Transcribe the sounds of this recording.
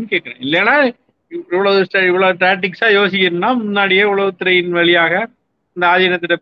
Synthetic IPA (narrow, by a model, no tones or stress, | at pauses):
nɯkeːʈ̚ːɐɛ̰̃ɪlːɛnaː | ɪʋːɐɭoːd̪ʊsʈɐɪʋːɐɭoːʈɾaːʈːɪksaːjoːsɪkʲːɪɾɯnːaːmʊnːaːɽɪjeʋɐɭɐʋɯt̪ːɪɾɐjɪnʋɛɭɪjaːɣɐ | ɪnd̪ɐaːðɐjɐnɐt̪ːɪʈːɐ